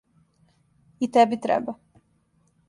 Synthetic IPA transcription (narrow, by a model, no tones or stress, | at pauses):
it̪ɛbit̪ɾɛ̰ba